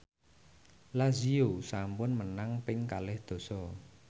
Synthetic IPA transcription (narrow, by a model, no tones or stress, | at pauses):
laziosampʊnmənaŋpɪŋkalɪhd̪̥ɔ̤sɔ